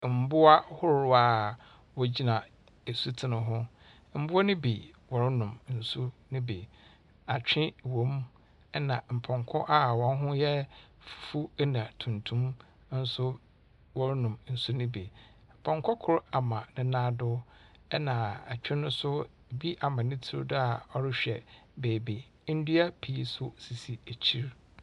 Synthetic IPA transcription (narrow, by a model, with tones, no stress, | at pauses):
m̩˨bʊ˦a˦hʊ˦ɾɾʊ˨a˦˨ | wɔ˨d͡ʑi˦nã˨ | e˨su˦tʰɪ˨nɪ̃˨ɦʊ̃˦ | m̩˦bʊ˦ɔ˦nɪ̃˦bi˨wɔ˨ɾɪ˦nʊ̃˨mn̩˨su˦nɪ̃˦be˨ | a˨t͡ɕᶣɪ̃˦wõ˨˦m˦ | ɛ˦nã˨m̩˨pʰɔ̃˨ŋkʰɔ˦ʔa˦wɔ̃˦n˦ɦʊ̃˦jɛ˦ffu˦nã˨tʰũ˨ntʰũ˦m˦ | n̩˦sʊ˦ | wɔ˦ɾnʊ̃˨mn̩˨su˦nɪ̃˦be˨ | m̩˨pʰɔ̃˨ŋkʰɔ˦kʰʊ˦ɾa˨mã˨nɪ̃˦nãː˦dʊ˦ | ɛ˦nã˨a˨t͡ɕᶣɪ̃˦nʊ̃˦sʊ˦˨ | bi˦ʔa˨mã˨nɪ̃˦tʰi˦ɾdʊ˦a˨ɔ˦ɾɪ˦ɕᶣɛ˨beː˨be˨ | n̩˦dɥa˦pʰi˨˦sʊ˦si˨si˨e˨t͡ɕʰi˦ɾ